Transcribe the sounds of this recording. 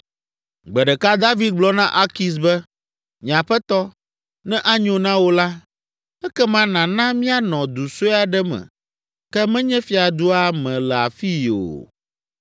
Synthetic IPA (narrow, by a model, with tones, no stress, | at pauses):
ɡ͡bɛ˨ɖɛ˨ka˦d̪a˦vi˦d̪̚ɡ͡blɔ˦nã˦ʔa˦ki˨s̬bɛ˦ | ɲĩ˨ã˨ɸɛ˦t̪ɔ˦ | nɛ̃˦ʔa˦ɲõ˨nã˦wo˦la˦ | ɛ˦kɛ˦mã˦nã˨nã˦mĩ˦a˦nɔ̃˨d̪u˨so˦a˨ɖɛ˦mɛ̰̃˨ | kɛ˦mɛ̃˦ɲɛ̃˦fi˦a˨d̪u˦a˦mɛ̃˨lɛ˨a̰˨fi˦o̰˨